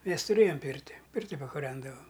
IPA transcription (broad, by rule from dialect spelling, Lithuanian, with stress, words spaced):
ˈmʲɛs tʊˈrʲeːjoːm ˈpʲiːrʲtʲɪ ˈpʲɪrʲtʲɪ pɐkʊˈrʲɛndɐʋɐm